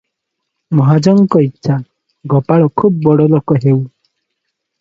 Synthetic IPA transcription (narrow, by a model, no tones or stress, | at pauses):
mɔɦad͡ʒɔŋkɔitːʃʰa | ɡɔpaɭɔkʰub̚bɔɽɔlokɔɦew